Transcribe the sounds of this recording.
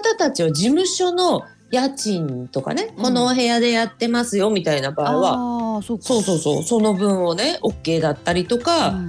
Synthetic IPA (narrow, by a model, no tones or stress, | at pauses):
at̪at̪at͡ɕiβad͡ʑimɯ̟ɕo̞no̞ | jat͡ɕĩnt̪o̞ka̰ne̞ko̞no̞ɦe̞jad̪e̞jat̪ːe̞masɨjo̞mʲit̪ainabaiβaso̞ːso̞ːso̞̰ːso̞no̞bɯ̟̃ɰ̃one̞o̞kːe̞ːd̪at̪ːaɾʲit̪o̞ka